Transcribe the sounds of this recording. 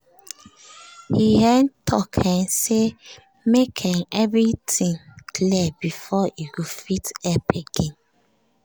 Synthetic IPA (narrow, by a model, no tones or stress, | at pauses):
hihɛntʰɔkʰɛ̃nse | mekʰɛ̃nɛvɹitĩŋkʰlibifɔiɡofitɛpeɡ̥ɛ̃n